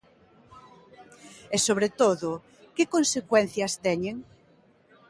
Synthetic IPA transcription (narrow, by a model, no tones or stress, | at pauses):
esoβɾet̪oðʊ | kekonsekwɛn̟θjɐst̪ɛɲeŋ